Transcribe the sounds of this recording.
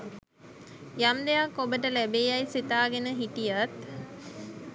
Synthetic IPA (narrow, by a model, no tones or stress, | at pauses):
jamd̪eakːobəʈəlæbeːajsit̪aːɡenəɦiʈijat̪